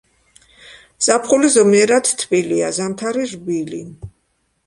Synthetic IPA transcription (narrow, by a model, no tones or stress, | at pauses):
z̥apʰχulizɔmiɛɾat̪ʰt̪ʰːbiliazamt̪ʰaɾiʒbili